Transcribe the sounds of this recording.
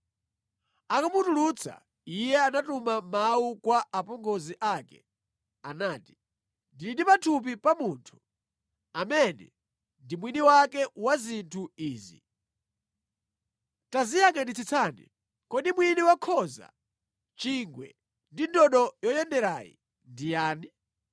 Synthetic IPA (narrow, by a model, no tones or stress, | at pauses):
akumutulut͡sʰa̰ | ijɛanatumamaukwaʔapɔŋɡɔziʔakɛ̰ | anaːti̥ | ndilidipatʰup̬ipamuːntʰu̥ | amɛnɛ̰ | ndimwiniwakɛwazintʰuiːzḭ | tazijaŋɡandit͡sʰit͡sʰaːnḭ | kɔɗimwiniwakʰɔza̰ | t͡ʃiŋɡwɛ̰ | ndindɔɗɔjɔjɛndɛɾaːjḭ | ndijaːni